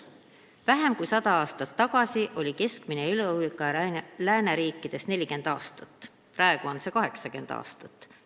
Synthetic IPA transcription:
væɦe̞mkujsɑd̪̥ɑɑːst̪ɑt̪ːɑɡ̥ɑsiʔo̞lʲike̞skmine̞ylulikːˑɑlæːneɾiːkˑːid̪̥e̞sne̞lʲike̞nd̪̥ɑːst̪ɑt̪ːˑ | prɑe̞ɡ̥uo̞nse̞kɑɦe̞ksɑke̞nd̪ɑ̰ːst̪ɑt̪ːˑ

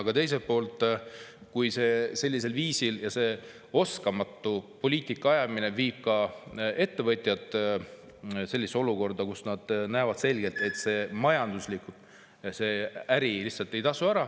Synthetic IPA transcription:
ɑɡ̥ɑt̪e̞js̬epo̞ːlt̪ˑ | kujse̞se̞lʲːis̬e̞lviːsiljɑse̞ | o̞skɑmɑt̪ːupo̞lʲiːt̪ikˑːɑɑjɑmine̞viːb̥̚kɑe̞t̪ːe̞vɤt̪ʲˑjɑt̪ˑː | se̞lʲːiso̞luko̞rd̪ɑkusnɑd̪̥næevɑd̪̥se̞lʲɡe̞lt̪e̞t̪se̞mɑjɑnd̪̥uslikut̪ | se̞æɾilihsɑlt̪ːˑe̞jt̪ɑsuæɾɑ

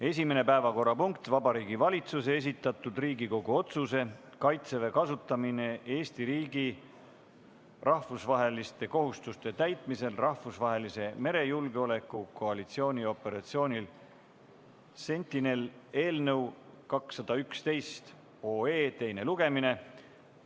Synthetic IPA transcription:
e̞sime̞ne̞pæevɑko̞rːɑpuŋkt̪vɑbɑɾiːɡivɑlʲit̪susee̞s̬it̪ˑːɑt̪ːˑud̪riːɡiko̞ɡuo̞t̪suse̞ | kɑjt̪se̞ve̞kɑsut̪ːˑɑmine̞e̞ːst̪iɾiːɡi | rʔɑhfusvɑɦe̞list̪e̞ko̞ɦust̪ust̪e̞t̪æjt̪ˑmise̞lrʔɑhfusvɑɦe̞lise̞me̞ɾe̞julɡeo̞le̞kːˑuko̞ɑlit̪sio̞ːnʲio̞pe̞ɾɑt̪sio̞ːnʲil | se̞nʲt̪ːˑine̞le̞ːlnəw | kɑksːɑd̪̥ɑykst̪e̞jst̪ | o̞ːeːt̪e̞jne̞luɡ̥e̞mine̞

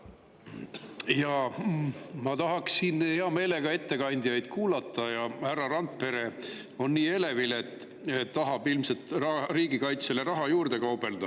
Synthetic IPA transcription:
jɑ | mɑt̪ɑɦɑksinheɑme̞ːle̞ɡ̥ɑe̞t̪ːe̞kɑnʲd̪ijɑjd̪̥kuːlɑt̪ːˑɑjɑhærɑrɑnt̪̚pe̞ɾe̞ | o̞nːiːe̞le̞vile̞t̪ː | eːɑɦɑb̥ilmselt̪rɑriːɡikɑjt̪sele̞ɾɑɦɑjuːrd̪̥e̞kɑwb̥e̞ld̪̥ɑ

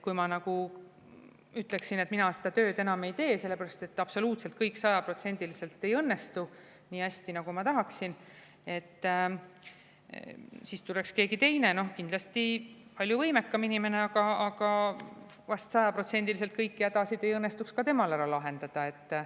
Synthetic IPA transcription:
kujmɑnɑɡu | yt̪ːˑle̞ksine̞t̪minɑse̥d̪̥ɑt̪ø̞ːd̪enɑme̞jt̪e̞ːse̞lːe̞pæɾɑst̪e̞t̪ːɑpso̞luːt̪se̞lt̪kɤjkːsɑjɑpro̞t̪se̞nʲd̪̥ilise̞lt̪ːˑe̞jɤnːe̞st̪u | niːæsʲt̪inɑɡumɑt̪ɑɦɑksin | e̞t̪ː | siːst̪ulekske̞ːɡit̪e̞jne̞no̞hkind̪lɑst̪ipɑlʲjuvɤjmekːɑminime̞ne̞ɑɡɑɑɡ̥ɑ | vɑst̪sɑjɑpro̞t̪se̞nʲd̪ilis̬e̞lt̪̚kɤjkːiæd̪̥ɑsid̪̥e̞jɤnːe̞st̪ukskɑt̪e̞mɑlæɾɑlɑɦe̞nd̪̥ɑd̪̥ɑe̞t̪ː

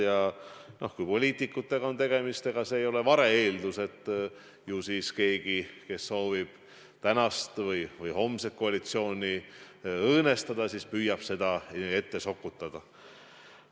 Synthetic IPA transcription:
jɑno̞hkujpo̞lʲiːt̪ˑikːˑut̪ːˑe̞ɡ̥ɑo̞nt̪e̞ɡ̥e̞mist̪e̞ɡ̥ɑse̞ːjo̞le̞vɑɾe̞eːld̪use̞t̪ːˑ | jusiːske̞ːɡ̥ike̞sːo̞ːvib̥ | t̪ænɑst̪vɤjvɤjho̞mset̪̚ko̞ɑlit̪sio̞ːnʲi | ɤːne̞st̪ɑd̪̥ɑsiːspyːjɑb̥se̞d̪̥ɑe̞t̪ːe̞so̞kːˑut̪ːˑɑd̪̥ɑ

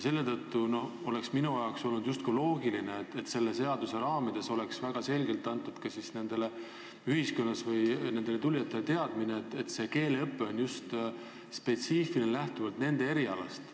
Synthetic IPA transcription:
se̞lːe̞t̪ɤt̪ːuno̞h | o̞le̞ksminuɑjɑkso̞lnud̪just̪̚kulo̞ːɡ̥ilineet̪ːet̪se̞lːe̞se̞ɑd̪use̞ɾɑːmid̪̥e̞so̞leksvæɡ̥ɑse̞lʲɡe̞lt̪ːˑɑnt̪ːˑud̪̥kɑsisne̞nd̪̥e̞le̞ | yɦisko̞nːɑsvɯjne̞nd̪̥e̞le̞t̪ulʲːjɑt̪ːˑe̞let̪e̞ɑd̪̥mineet̪ːˑet̪se̞ke̞ːle̞ɤpːe̞o̞njust̪ | spe̞t̪siːfilinelæht̪uvɑlt̪ne̞nd̪̥e̞e̞ɾiɑlɑ̰st̪

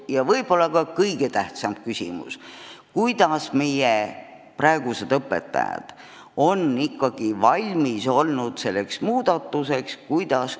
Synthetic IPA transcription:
jɑvɤjb̥o̞lːɑkɑkɤjɡ̥et̪æht̪sɑmb̥kysʲḭmṵskujd̪̥ɑsme̞je | prɑeɡ̥use̞d̪̥ɤpːˑe̞̰t̪ːˑɑ̰jɑ̰d̪̥ | o̞nːikːɑɡ̥ivɑlʲmiso̞lnud̪̥se̞lːe̞ksmuːd̪̥ɑt̪ːˑuse̞kskujd̪̥ɑs

